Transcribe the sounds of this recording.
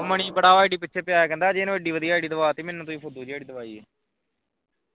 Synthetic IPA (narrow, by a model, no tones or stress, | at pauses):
məɳ̃iːpəɽaːʋaːɪɖiːpɪtːʃʰeːpɪjaːjaːkɛ̃ːnd̪aːd͡ʒeːñːəɖiːʋəd̪ijaːɪɖiːd̪əʋaːt̪eːmẽːnːũːt̪õːiːpʰʊd̪uːd͡ʒiːaːɽiːd̪əʋaːiːɛː